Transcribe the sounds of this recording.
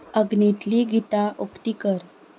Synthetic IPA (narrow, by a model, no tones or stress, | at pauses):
əɡnit̪liɡit̪aʔokt̪ikəɾ